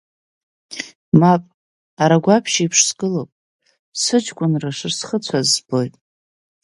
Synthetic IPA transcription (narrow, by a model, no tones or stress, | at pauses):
mapʼ | aɾaɡʷapʰʃiipʰʂsɡɨlopʼ | sɨd͡ʒkʷʼʊnraʂɨrsχət͡sʷʰazbo̞jtʼ